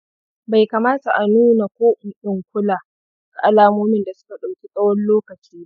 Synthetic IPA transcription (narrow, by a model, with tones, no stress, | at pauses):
ba˨jka˨maː˦ta˨ʔa˨nuː˦na˨kʷoː˦ʔɪ˨ɗʊ˨ŋkʷʊ˦laː˨ | dʊ˦ka˨ʔa˦laː˦moː˦mɪ˦˨nda˨sʊ̥˦ka˨ɗɐ˨wkʲi˦sʼɐ˦wɔ˦nloː˦kɐ˨t͡ʃiː˦